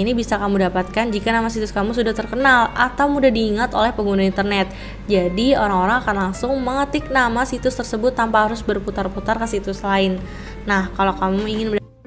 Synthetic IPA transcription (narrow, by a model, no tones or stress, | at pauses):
inibisakamudapat̪̚kand͡ʒikanamasit̪ʊskamusudaht̪ərkənalʔat̪awmudahdiːŋat̪olɛhpəŋɡunaint̪ərnɛt̪̚ | d͡ʒadioɾaŋoɾaŋakanlaŋsʊŋməŋət̪ɪk̚namasit̪ʊst̪ərsəbʊt̪ːampaɦaɾʊsbərput̪arput̪arkəsit̪ʊslaɪnː | ahkalokamuiŋɪnbə